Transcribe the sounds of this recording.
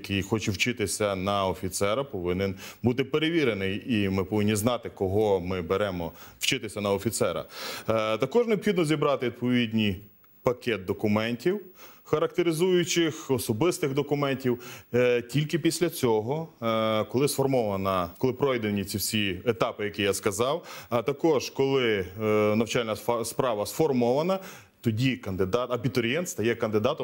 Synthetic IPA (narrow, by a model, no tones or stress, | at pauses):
kɪjxɔt͡ʃɛwt͡ʃɪt̪ɪsʲɐnɐɔfʲit̪sɛɾɐpɔʋɪnɪnbut̪ɪpeɾeʋʲiɾenɪjimɪpɔʋɪnʲːiznɑt̪ɪkɔɦɔmɪbeɾɛmɔw̥t͡ʃɪt̪ɪsʲɐnɐɔfʲit̪sɛɾɐ̰ | t̪ɐkɔʒneɔbxʲid̪nɔzʲibɾɑt̪ɪʋid̪̚pɔʋʲid̪ʲnʲij | pɐkʲɛt̪̚d̪ɔkʊmɛnʲtʲiwxɐɾɐk̚t̪eɾɪzujʊt͡ʃɪxɔsɔbɪst̪ɪɣd̪ɔkʊmɛnʲtʲiwtʲilʲkɪpʲisʲlʲɐt͡sʲɔɦɔkɔlˠɪsfɔrmɔʋɐnɐkɔlˠɪpɾɔjd̪enʲit͡sʲiwsʲiet̪ɑpɪjɐkʲijaskɐzɑwɐt̪ɐkɔʒkɔlˠɪnɐwt͡ʃɑlʲnɐspɾɑʋɐsfɔrmɔʋɐnɐ | t̪ɔdʲikɐnd̪ɪd̪ɑt̪ɐbʲit̪ɔɾʲjɛnt̪st̪ɐjɛkɐnd̪ɪd̪ɑt̪ɔ